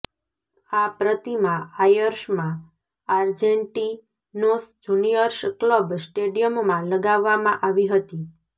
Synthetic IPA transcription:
apɾət̪imãajəɾʃmã | aɾd͡ʒeɳʈi | nosd͡ʒunijəɾʃkləbsʈeɖijəmmãləɡaʋːamãʔaʋiɦət̪i

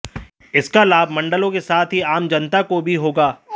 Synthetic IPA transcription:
ɪskalaːbʱmɐ̃ɳɖəlõkesaːt̪ʰɦiaːmd͡ʒɐnt̪akobʱiɦoːɡaː

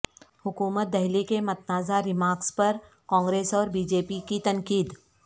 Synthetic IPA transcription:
hʊkuːmət̪̚d̪ɛɦlikemɐt̪̚naːzaɾɪmaːɾkspɐɾ | kɔ̃ːŋɡɾeːsɔːɾbiːd͡ʒeːpikit̪ɐnkiːd̪

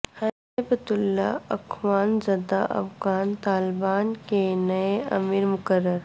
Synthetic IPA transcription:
hɐ | ebət̪ʊlːa̰ɐkʰʋaːnzɐd̪aʔɐ̰fɡaːnt̪aːlbaːnkenɐeɐ̰miɾmʊkəɾːəɾ

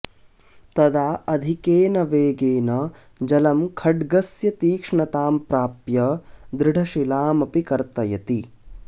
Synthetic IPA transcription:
t̪ɐd̪aːʔɐd̪ʱikeːnɐʋeːɡeːnɐ | d͡ʒɐlɐmkʰɐɖɡɐsjɐt̪iːkʂɳɐt̪aːmpɾaːpjɐd̪ɾɪɖʱɐʃilaːmɐpikɐɾt̪ɐjɐt̪i

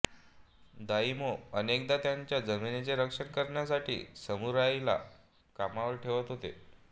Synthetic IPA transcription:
d̪aimoənek̚d̪at̪jaɲt͡ɕjad͡zəminet͡ɕeɾəkʂənkəɾɳjasaʈḭːsəmuɾajila̰ | kamaʋəɾʈʰeʋət̪ɦot̪ḛ

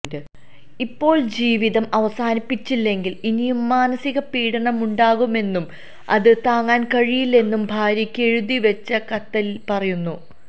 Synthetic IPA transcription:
dɨ | ipːo̞ːɭd͡ʑiːʋiðɐmɐʋɐsaːnipːit͡ɕːilːe̞ŋɡilinijumːaːnɐsiɣɐpiːɽɐɳɐmuɳɖaːɣume̞nːum | ɐ̰ðɨt̪aːŋːaːnkɐɻijilːe̞nːumbʱaːɾjɐkʲːe̞ɻuðiʋet͡ɕːɐkɐt̪ːɐlpɐrɐjunːu

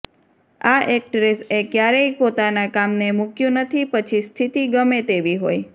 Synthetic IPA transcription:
aʔek̚ʈɾesekjaɾeipot̪anakamnemukjũnət̪ʰipət͡ʃʰist̪ʰit̪iɡəmet̪eʋiɦoj

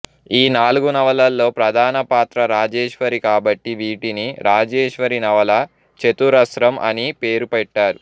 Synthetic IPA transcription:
iːnaːluɡunɐʋɐlɐlːo̞ːpɾɐd̪ʱaːnɐpaːt̪ɾɐɾaːd͡ʒeːʂʋɐɾikaːbɐʈːiʋiːʈiniɾaːd͡ʒeːʂʋɐɾinɐʋɐlɐ | t͡ʃet̪uɾɐsɾɐmʔɐ̰nipeːɾupɛʈːaːɾu

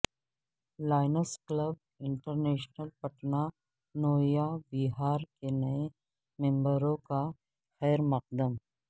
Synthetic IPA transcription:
laːɪnəskləb̚ | ɪ̃ɳʈəɾneːʃnəlpɐʈna | noːjabɪɦaːɾkenɐẽ | mẽmbəɾõka | xɛːɾmɐq̚d̪əm

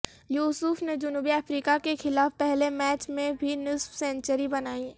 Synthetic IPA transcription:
juːsʊfned͡ʒʊnuːbiɐfɾiːkakexɪlaːfpɛɦlemɛːt͡ʃmẽbʱinɪsfsɛ̃nt͡ʃəɾibɐnaːi

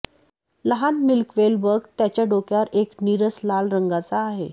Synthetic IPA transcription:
ləɦanmilkʋelbəɡt̪jat͡ɕjaɖokjaɾekniɾəslalɾəŋɡat͡saːɦḛ

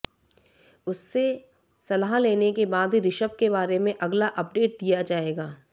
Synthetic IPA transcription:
ʊsːe | sɐlaːɦleːnekebaːd̪ɾɪʃəbkebaːɾemẽʔɐɡlaʔɐp̚ɖeːʈ̚d̪ijad͡ʒaːeːɡaː

